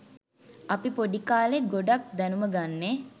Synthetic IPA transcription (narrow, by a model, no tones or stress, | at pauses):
apipoɖikaːleɡoɖak̚d̪ɛnuməɡanːe